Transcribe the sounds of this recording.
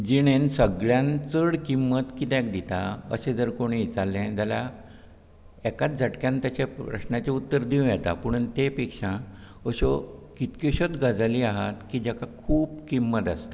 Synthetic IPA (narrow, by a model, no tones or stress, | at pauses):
d͡ʑiɽ̃ensəɡɭjãnt͡səɽkimːət̪kit̪ɛ̃k̚d̪it̪aə̰sed͡zəɾkoɽ̃it͡salːẽd͡zala | ɛkat̪̚d͡zʱaʈkjãnt̪jat͡ɕepɾə̰ɕnat͡ɕeut̪ːəɾd̪iw̃jɛt̪a̰pəɳ̃unt̪epekʂã | əɕokit̪kiɕət͡s̪ɡad͡zaliːaɦat̪kiːd͡ʑakakʰuːpkimːət̪ast̪a